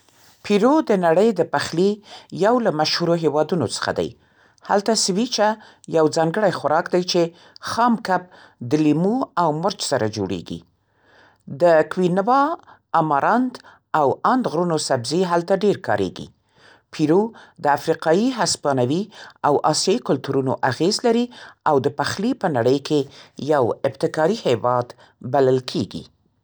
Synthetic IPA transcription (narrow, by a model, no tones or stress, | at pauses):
pʰiɾod̪ənaɽəjd̪əpaxlijawlamaʃhuɾoɦewɑd̪unot͡sə̥xa̰d̪a̰j | ha̰lt̪asɪwit͡ʃa | jawd͡zɑŋɡəɽajxʊɾɑkd̪ajt͡ʃe | xɑmkap̚ | d̪əlimuawmʊɾt͡ʃsaɾa̰d͡ʒo̰ɽḛɡḭ | d̪əkwinwɑ | amɑɾʔɑnt̪ | awand̪ɣɾunosabziɦalt̪aɖeɾkɑ̰ɾḛɡḭ | pʰiɾud̪əafɾiqɑjiɦaspɑnawiawʔɑsjɑikʊlt̪uɾunoʔaɣezlaɾiawd̪əpaxlipənaɽəjkʰejawɪbt̪ɪkɑɾihewɑd̪ | baləlkʰeɡḭ